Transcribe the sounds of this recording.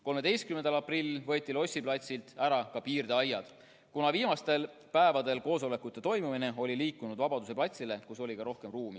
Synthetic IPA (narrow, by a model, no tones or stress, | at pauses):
ko̞lme̞d̪e̞jst̪̚kymend̪ɑlɑprilːvɤ̞t̪ʲːˑilo̞sʲːiplɑt̪ʲsilt̪æɾɑkɑpiːrd̪eɑjːɑd̪̥ | kunɑviːmɑst̪e̞l | pæevɑd̪e̞lko̞ːso̞le̞kːˑut̪ːˑe̞t̪o̞jmumine̞o̞lʲiliːkːˑunud̪̥vɑbɑd̪use̞plɑt̪ʲsile̞kuso̞lʲikɑɾo̞hke̞mruːmi